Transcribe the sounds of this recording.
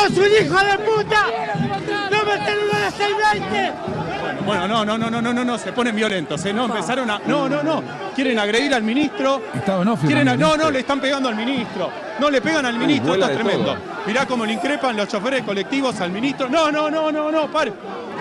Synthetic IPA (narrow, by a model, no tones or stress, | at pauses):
osunixoðeput̪a | nomet̪enuloðet̪elβant̪e | bwenono̞nonõnonõnonosepo̞nembjo̞lent̪osenoempesaɾonanonono | kjeɾe̞naɣɾe̞ðiɾalmĩnist̪ɾoet̪anokjeɾenanonoleːst̪ampeɣand̪oalmĩnist̪ɾo | nole̞pe̞ɣanalmĩnist̪ɾoet̪oest̪ɾemend̪o̞̰ | miɾako̞mo̞leiŋkɾepanlo̞st͡ʃo̞feɾehko̞lek̚t̪iβo̞salmĩnist̪ɾonononononopaɾe